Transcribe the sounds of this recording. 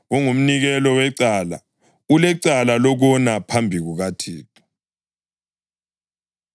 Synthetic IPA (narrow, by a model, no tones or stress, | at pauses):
ɣuŋum̩niɣɛlɔwɛǀaːla̰ | ulɛǀalalɔɣɔnapʰambʱiɣuɣatʰiːtʰʼɔ̥